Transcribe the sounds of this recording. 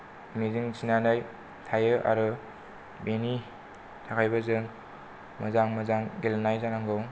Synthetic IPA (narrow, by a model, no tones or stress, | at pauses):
mizɯŋsinanaj | tʰajɯʔa̰ɾɯ | beni | tʰakʰajbazɯŋ | mɯzaŋmɯzaŋɡelnajzanaŋɡɯw